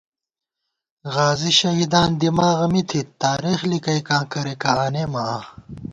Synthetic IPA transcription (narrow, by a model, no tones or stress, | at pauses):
ɣaːziɕɐɦid̪aːnd̪imaːɣɐmit̪ʰit̪aːɾiːxlikɐjkãːkɐɾekaaːneːmɐaː